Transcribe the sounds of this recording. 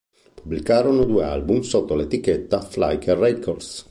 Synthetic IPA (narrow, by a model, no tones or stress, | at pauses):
pubːlikaːɾonod̪uːḛa̰lbumsot̪ːolet̪iket̪ːafla̰jkerɛkʰord̪s